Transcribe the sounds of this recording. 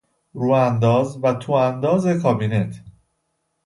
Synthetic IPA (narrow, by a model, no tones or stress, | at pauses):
ɾuːænd̪ɒːzvæt̪ʰuːænd̪ɒːzekʰɒːbinet̪ʰ